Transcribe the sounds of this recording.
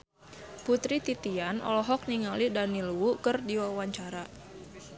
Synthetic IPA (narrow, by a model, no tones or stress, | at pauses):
put̪ɾit̪it̪ianɔ̰lɔɦɔk̚niŋalidaniluwukərdiwawaɲt͡ʃaɾa